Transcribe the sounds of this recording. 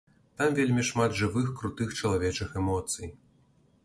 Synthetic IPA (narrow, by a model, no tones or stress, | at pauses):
t̪amvʲelʲmʲiʂmad̪ʐɨvɨxkɾut̪ɨxt͡ʂɐlˠavʲɛt͡ʂɨxɛmɔt̪sɨj